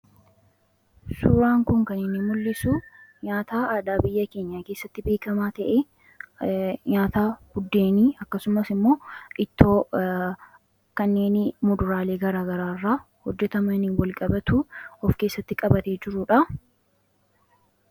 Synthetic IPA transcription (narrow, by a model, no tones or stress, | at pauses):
suɾaːŋkʊŋkɐnɪnːɪmʊlːɪsuɲaːt̪aːaːd̪aːbɪjːɐke̞ːɲːaːkeːsːɐt̪ːɪbe̞ːkɐmaːt̪ɐʔe | ɲaːt̪aːɡ̥ʊd̪ːe̞ːniːɐkːɐsʊmɐsɪmːo̞ːʔɪt̪ːoː | kɐnːe̞ːnmʊd̪ʊɾaːle̞ːɡɐɾaːɡɐɾaːrːaː | hɔd͡ʒːɛt̪ɐmɐnɪwɐlkʼɐbɐt̪uɔfke̞ːsːɐt̪ːɪkʼɐbɐt̪eːd͡ʒɪɾʊᶑɐ